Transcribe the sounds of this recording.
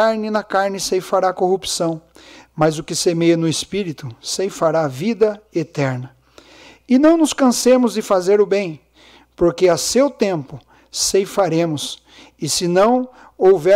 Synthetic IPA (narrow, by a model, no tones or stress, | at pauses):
aɾnɪnɐkaɾnɪsejfaɾakohupsɐ̃w̃mɐzʊkɪsemejɐnʊɪspiɾit̪ʊsejfaɾavid̪ɐet̪ɛɾnɐ | ɪnɐ̃w̃nʊskɐ̃sẽmʊzd̪ɪfazeɾʊbẽj̃ | poɾkeasewt̪ẽmpʊ | sejfaɾẽmʊs | ɪsɪnɐ̃w̃ | owvɛ